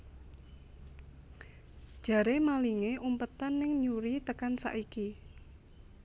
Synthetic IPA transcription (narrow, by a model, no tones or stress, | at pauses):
d̥ʒ̥ä̤ɾemaliŋeʔumpət̪anːɪŋɲuɾit̪əkansa̰ʔiki